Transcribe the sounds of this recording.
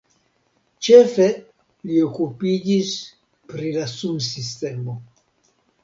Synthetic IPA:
t͡ʃe̞fe̞ | liokupid͡ʒis | pɾilasumsiste̞mo

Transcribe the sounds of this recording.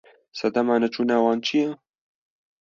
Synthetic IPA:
sɐd̪ɐmaːnɐt͡ʃʰuːnaːwɑːnt͡ʃʰijɛ

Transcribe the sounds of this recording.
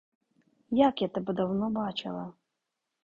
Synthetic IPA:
jakɛt̪ɐbɨd̪awnɔbat͡ʃɐ̰lˠɐ

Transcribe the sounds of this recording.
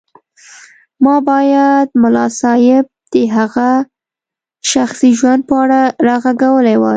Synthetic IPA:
mɑbɑjad̪̚mʊlɑsɑjɪb̚d̪̥əɦaɣa | ʃaxsiʒwand̪̚pəaɽaɾɑɣaɡawəlewa̰

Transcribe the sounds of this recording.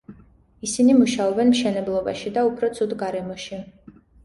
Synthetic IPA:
isinimuʃaɔbɛnmʃɛnɛblˠɔba̰ʃid̪aupʰɾɔt̪sʰud̪ɡaɾɛmɔʃi

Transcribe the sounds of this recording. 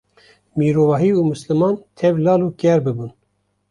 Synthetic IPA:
miːɾoːvɑːɦiːuːmɨslɨmɑːnt̪ʰɛvlɑːlukɛɾbɨbun

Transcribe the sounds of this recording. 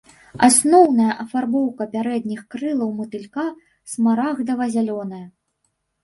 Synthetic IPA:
asnɔwnɐjɐʔɐfarbɔwkɐpʲaɾɛd̪nʲixkɾɨlˠɐwmɨt̪ɨlʲka | smaɾaɣd̪ɐvɐzʲalʲɔnɐjɐ

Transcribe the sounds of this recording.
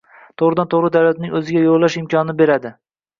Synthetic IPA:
t̪ʰoʁɾɪd̪ant̪ʰoʁɾɪd̪awlat̪nɪŋʲɵzɪɡʲajollːaʃɪmkʰʲɒnɪbe̞ɾad̪ɪ

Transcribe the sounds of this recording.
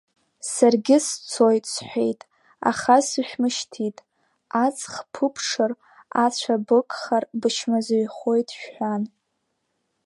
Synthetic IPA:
sarɡʲɪst͡sʰo̞jtʼsħʷᶣe̞jtʼ | a̰χasɨʃᶣmɨʃtʰitʼ | at͡sʰʼχpʰɨpʰʂɨr | at͡ɕʷʰabɨkʼχarbɨʃmazjχo̞jtʼʃᶣħʷan

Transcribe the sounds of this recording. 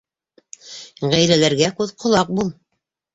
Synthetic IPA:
ʁæjlælæɾɡækʉðqʰŏlˠɑq̚bulˠ

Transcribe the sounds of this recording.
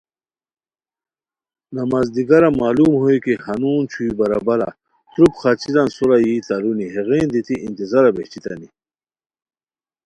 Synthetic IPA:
namaːzd̪iɡɐɾamaːlumhojkihanuːnt͡ɕʰuibɐɾa̰bɐɾa̰ | t̪ɾupxat͡ɕiɾansuɾajit̪aɾuniɦeɣeːnd̪it̪iʔint̪izaɾabḛht͡ɕit̪a̰ni

